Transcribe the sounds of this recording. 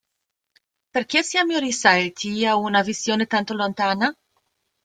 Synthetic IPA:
perkesiamorisalt̪ʰiaunavisjoːnet̪ant̪olont̪aːna

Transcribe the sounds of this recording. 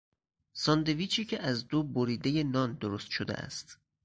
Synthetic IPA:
sɒnd̪e̞viːt͡ʃʰiːcʰeʔæzd̪oːboɾiːd̪eje̞nɒːnd̪oɾost̪ʃod̪ḛʔæ̰st̪

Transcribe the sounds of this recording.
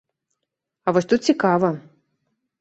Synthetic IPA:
ɐvɔsʲt̪ut̪̚t͡sʲikavɐ

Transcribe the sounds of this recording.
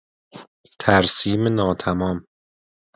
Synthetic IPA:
t̪ʰæɾsiːmenɒːt̪ʰæmɒːm

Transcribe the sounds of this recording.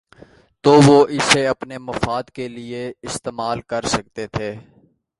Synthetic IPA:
t̪oʋoʔɪseɐpnemɐfaːd̪kelieɪst̪eːmaːlkɐɾsɐk̚t̪et̪ʰeː

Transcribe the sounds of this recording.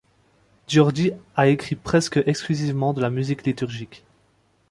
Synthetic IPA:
d̪jɔʁd̪iaekχipχɛskəʔɛksklyzivmɑ̃d̪əlamyziklit̪yʁʒik

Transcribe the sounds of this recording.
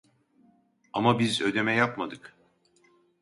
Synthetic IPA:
amabizø̞d̪e̞mɛjapmad̪ɯk

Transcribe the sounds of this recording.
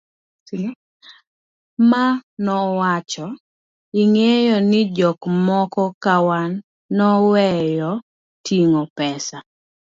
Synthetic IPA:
manɔwat͡ʃɔ | ɪŋejɔnɪd͡ʒɔkmɔkɔkawanː | ɔwɛjɔ | tʰiŋɔpɛsa

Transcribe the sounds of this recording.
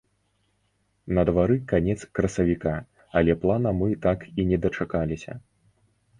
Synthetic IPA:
nɐd̪vaɾɨkanʲɛt̪skɾɐsɐvʲika | ɐlʲɛplˠanɐmɨt̪akinʲɛd̪ɐt͡ʂakalʲisʲɐ̰

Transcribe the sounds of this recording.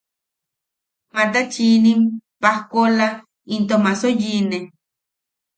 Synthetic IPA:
mat̪̬at͡ʃinimpahkola | int̪omasojine

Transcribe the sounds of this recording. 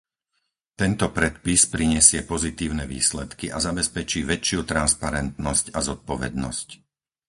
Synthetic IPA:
t̪ɛnt̪ɔpɾɛt̪̚pispɾiɲɛsɪɛpɔzit̪iːʊnɛʋḭːslɛt̪kiʔazabɛspɛt͡ʃiːʋɛt͡ʃɪut̪ɾanspaɾɛnt̪nɔscazɔt̪̚pɔʋɛ̰d̪nɔ̰sc

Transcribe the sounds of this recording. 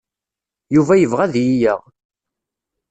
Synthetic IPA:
juvæjəvʁæðjijəʁ

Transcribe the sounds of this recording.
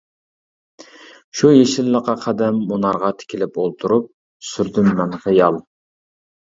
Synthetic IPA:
ʃujeʃɪlːəqɑqʰɑd̪ɛmːunɑɾʁɑt̪ʰɪ̥kʲʰilɪpolˠt̪ʰuɾup̚ | syɾd̪ymːɛnχɨjɑlˠ

